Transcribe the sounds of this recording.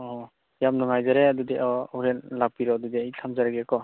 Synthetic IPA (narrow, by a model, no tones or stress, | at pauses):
ɔɔ | jamnɔŋajzaɾeadudeʔɔuɾenlak̚piɾɔadudɛitʰamzaɾaɡɛkɔ